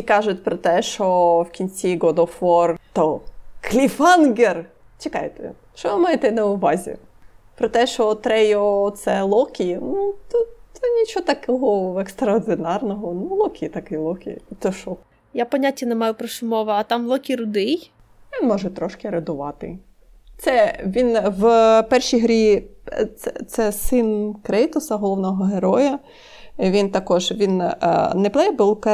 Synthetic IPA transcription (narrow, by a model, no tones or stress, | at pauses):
ikɑʒʊtʲpɾɔt̪ɛʃɔwkʲinʲt͡sʲiɡɔd̪ɔfɔrt̪ɔklʲifɑnɡer | t͡ʃekɑjet̪ɛ̰ | ʃt͡ʃɔʋɪmɑjet̪ɛnɐʊʋɑzʲḭ | pɾɔt̪ɛʃɔt̪ɾɛjɔt̪sɛlˠɔkʲijnut̪ɔt̪ɔnʲit͡ʃɔɔt̪ɐkɔɦɔekst̪ɾɐɔrd̪ɪnɑrnɔɦɔnulˠɔkʲijt̪ɐkɪjlˠɔkʲḭjt̪ɔʃɔ | japɔnʲatʲːɐnemɑjʊpɾɔʃʊmɔʋɐɐt̪ɑmlˠɔkʲiɾʊd̪ɪj | ʋʲinmɔʒɛt̪ɾɔʃkɪɾɐd̪ʊʋɑt̪ɪ̰ | t̪sɛʋʲinwpɛrʃijɦɾʲi | ɛt̪sɛsɪnkɾɛjt̪ʊsɐɦɔlˠɔwnɔɦɔɦeɾɔjɐ | ʋʲint̪ɐkɔʒʋʲinnɛplˠɛjɛbɪlˠkɛ